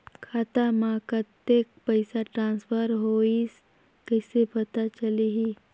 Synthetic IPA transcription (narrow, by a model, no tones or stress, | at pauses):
kʰaːt̪amãːkət̪ːek̚pəɪsaʈɾãːnspʰəɾɦoːis | kəɪsepət̪at͡ʃəliɦi